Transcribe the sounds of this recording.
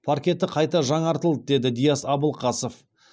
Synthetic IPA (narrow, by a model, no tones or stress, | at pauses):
pʰaɾkʲe̞t̪ɪqʰɑjt̪ɑʒɑɴɑɾt̪əlˠd̪əd̪e̞d̪ɪd̪ijɑsɑbəlˠqʰɑsof